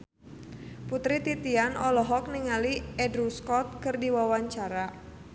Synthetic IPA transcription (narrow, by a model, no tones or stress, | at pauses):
put̪ɾit̪it̪ianɔlɔɦɔk̚niŋaliɛdɾuskɔt̪̚kɨrdiwawaɲt͡ʃaɾa